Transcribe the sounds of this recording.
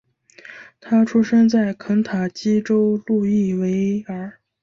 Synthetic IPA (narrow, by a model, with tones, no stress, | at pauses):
t̪ʰa˥ʈ͡ʂʰu˥ʂə˥nt͡sa˥˩ɪkʰə˧˥ŋt̪ʰa˨˩t͡ɕi˥ʈ͡ʂo˥ʊlu˥˧i˥˩we˧˥ɪə˧˥